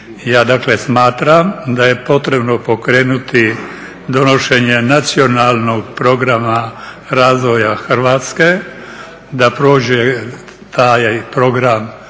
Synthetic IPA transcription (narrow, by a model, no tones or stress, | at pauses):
jaːd̪aklesmaːt̪ɾamd̪aje̞po̞t̪ɾe̞bno̞po̞kɾeːnut̪i | d̪o̞no̞ʃeɲenat̪sio̞naːlno̞ɡpɾo̞ɡɾama | ɾaːzʋojaxr̩ʋaːt̪ske̞ | d̪apɾoːd͡ʒe | t̪ajjpɾo̞ɡɾam